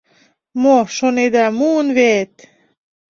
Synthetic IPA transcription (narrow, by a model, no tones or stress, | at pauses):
moʃoned̪ɑmuənβet̪